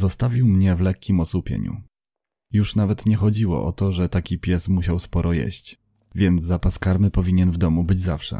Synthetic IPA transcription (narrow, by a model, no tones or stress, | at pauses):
zɔst̪avʲiwmɲɛvlɛkʲːimɔsupʲjɛ̰ɲṵ | juʂnavɛt̪ɲɛxɔd͡ʑiwɔ̰ʔɔt̪ɔʐɛt̪akʲipʲjɛsmuɕawspɔɾʔɔjɛ̰ɕt͡ɕ | vʲjɛnd̪zzapaskaɾmɘpɔvʲiɲɛnvd̪ɔmubɘd͡ʑza̰fʂɛ̰